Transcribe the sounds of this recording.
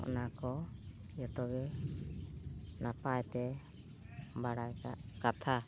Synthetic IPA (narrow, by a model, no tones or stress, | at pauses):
ɔ̰nakɔ | jɔt̪ɔɡɛ | napajt̪ɛ | baɽajka̰ʔkat̪ʰa